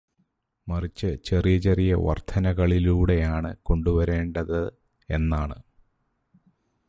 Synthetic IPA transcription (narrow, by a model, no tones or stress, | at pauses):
mɐrit͡ɕːɨt͡ɕe̞rijɐt͡ɕerijɐʋɐ̰rt̪ʰɐnɐɣɐɭiluːɽe̞jaːɳɨko̞ɳɖuʋɐɾe̞ːɳɖɐðɨ | e̞nːaːɳɨ